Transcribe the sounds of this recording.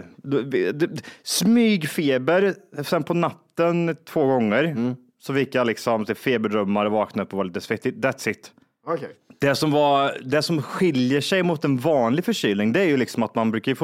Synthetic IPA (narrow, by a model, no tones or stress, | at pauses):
d̪ɛd̪ɛsmyːɡfeːbəɾsɛnpʰɔnat̪ːənt̪ʰv̥oːɡɔŋːəɾ | sɔfɪkːjalɪksɔmsɛfeːbəɖɾœmːaɾɔvɑːknaɵpːɔvaɭɪt̪əsfɛt̪ːɪd̪ɛt̪sɪt̪ː | d̪̥ɛsɔmvɑɾd̪ɛsɔmɧɪljəʂɛjmʊt̪ɛnvɑːnlɪɡfœʂyːlnɪŋd̪ɛæɾjɵlɪksɔmat̪manbɾʉ̟ːkajfo